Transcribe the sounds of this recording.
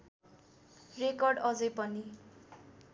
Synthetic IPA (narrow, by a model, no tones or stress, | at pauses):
rekʌrɖʌd͡zʌjpʌni